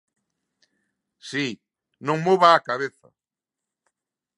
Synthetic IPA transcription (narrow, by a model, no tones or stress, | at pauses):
si | nõŋmoβaːkaβeθa̰